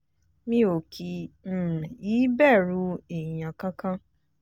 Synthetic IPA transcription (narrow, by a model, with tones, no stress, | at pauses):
mĩ˦o˨kʰi˨m̩˦˨i˦bɛ˦˨ɾu˨˦e˨ɲã˨ka˦ka˦